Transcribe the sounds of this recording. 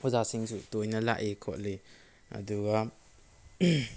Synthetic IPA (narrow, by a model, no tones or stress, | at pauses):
hozasiŋsutojnɐla̰ʔekʰo̰t̚le | ɐ̰duɡɐ